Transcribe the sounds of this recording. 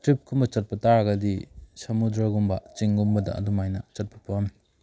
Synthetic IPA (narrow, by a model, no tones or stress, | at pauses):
tɾip̚kʰumbɐt͡ʃɐt̚pɐtaɾɐɡɐdisɐmudɾɐɡumbɐ̰t͡ʃiŋɡumbɐdɐ̰ʔɐ̰dumajnɐt͡ʃɐt̚pɐpɐm